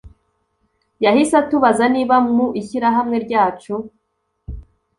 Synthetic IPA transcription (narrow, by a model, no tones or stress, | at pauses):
jahisatuβazaniːβamŋuʔiçiɾaɦamŋe̞ɾɟaːt͡ʃo